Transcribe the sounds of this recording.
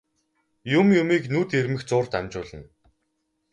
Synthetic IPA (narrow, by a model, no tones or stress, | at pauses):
jʊmjʊmiːknuːt̪ermɘ̆xt͡sʊːrt̪æmt͡ɕʊːɮə̆n